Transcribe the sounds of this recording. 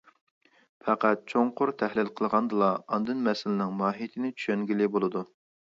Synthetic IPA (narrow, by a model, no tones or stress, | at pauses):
fʰɛqæt̪̚t͡ʃʰoŋqʰʊɾt̪ʰɛhlɪlqʰəlˠʁɑnd̪ɨlˠɑɑnd̪ɨnmɛsɪlɪnɪŋmɑːɦijt̪ʰɪnɪt͡ʃʰy̥ʃɛŋɡʲilɪbolˠɨd̪u